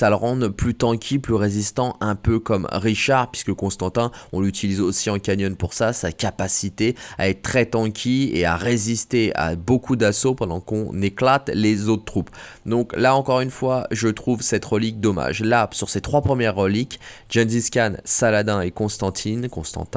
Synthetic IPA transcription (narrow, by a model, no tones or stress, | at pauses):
saləʁɑ̃d̪ʁplyt̪ɑ̃kʲʰiplyʁezist̪ɑ̃ʔɛ̃pøkɔmʁiʃaʁpɥiskəkɔ̃st̪ɑ̃t̪ɛ̃ɔ̃lyt̪ʰilizosiɑ̃kʲanjɔnpuʁsasakʲapasit̪ea̰ɛt̪ət̪χɛt̪ɑ̃kʲʰiḛa̰ʁezist̪ea̰bokʰud̪asopɑ̃d̪ɑ̃kɔ̰̃neklat̪lezot̪χət̪χup | d̪ɔ̃klaɑ̃kɔʁynfwaʒət̪χuvsɛt̪ʁəlik̚d̪ɔma̰ʒlasyʁset̪χwapχəmjɛʁːəlikʒɛnziskʲansalad̪ɛ̃ekɔ̃st̪ɑ̃t̪ʰinkɔ̃st̪ɑ̰̃t̪ɛ̃